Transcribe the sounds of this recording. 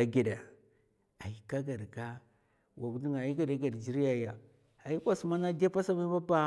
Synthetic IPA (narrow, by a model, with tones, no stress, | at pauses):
a˨ɡe˨da˨ | a˨i˨ka˦ɡa˨ɾɡa˦ | wa˨bu˦di˦ŋa˨ji˦ɡa˨da˦ɡa˨ɾd͡ʒi˦ɾi˦ja˨ja˨ | a˨i˦kʷa˦su˦ma˦na˦de˦pa˦sa˦ma˦ba˦ba˦